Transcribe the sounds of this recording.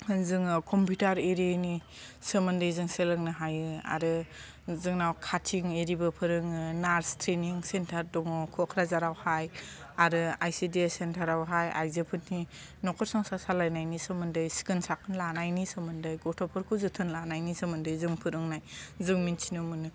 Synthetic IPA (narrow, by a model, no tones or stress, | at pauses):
zɯŋɯkʰɔmpʰjutaɾeɾieni | sɯmɯndɯjzɯŋselɯŋnɯɦajɯa̰ɾɯ | zɯŋnawkʰatʰiŋeɾibɯpʰɯɾɯŋnaɾstʰɾeniŋsentʰaɾdɔŋɔkʰɔkʰɾazaɾawhaj | aɾɯajsidiesentʰaɾawɦaja̰jzepʰɯtni | nɔkʰɔɾsɔŋsasalajnajnisɯmɯndɯjsi̥kɯnsakʰɯnlanajnisɯmɯndɯjɡɔtʰɔpʰɯɾkʰuzɯtʰɯnlanajnisɯmɯndɯjzɯŋpʰɯɾɯŋnajzɯŋminsʰinɯmɯnɯ